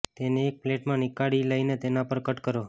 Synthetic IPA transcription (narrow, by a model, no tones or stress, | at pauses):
t̪eneːk̚pleʈmãnɪkaɭiləinet̪enapəɾkəʈkəɾo